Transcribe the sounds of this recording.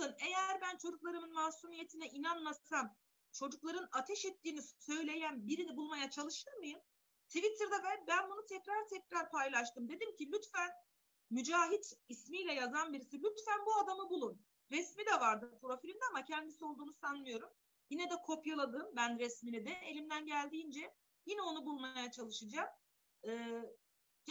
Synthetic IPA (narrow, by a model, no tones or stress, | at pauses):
ɯne̞jæɾbænt͡ʃʰo̞d͡ʒuk̚lˠaɾɯmɯnmahsumije̞t̪ʰinɛʔinanmasam | t͡ʃʰo̞d͡ʒuklˠaɾɯnat̪ʰɛʃɛt̪ʰːiːnisø̞jlʲe̞jænbiɾinibulˠmajat͡ʃʰalˠɯʃt̪ʰɯɾmɯjɯm | t̪ʰivit̪ʰɯɾd̪avɛbænbunut̪ʰɛcɾaɾt̪ʰɛcɾaɾpʰajlˠaʃt̪ʰɯmd̪e̞d̪imcilʲyt̪fæn | myd͡ʒaːɦit̪ismijlʲɛjazanbiɾisilʲyt̪fænbuad̪amɯbulˠun | ɾɛsmid̪ɛvaɾd̪ɯpʰɾo̞filʲimd̪ɛamacʰɛnd̪isio̞lˠd̪uːnusanmɯjo̞ɾum | jinɛd̪ɛkʰo̞pjalˠad̪ɯmbænɾɛsminid̪ɛelʲimd̪ænɟælʲd̪iːnd͡ʒɛ | jinɛo̞nubulˠmajat͡ʃʰalˠɯʃɯd͡ʒaːm | ɯː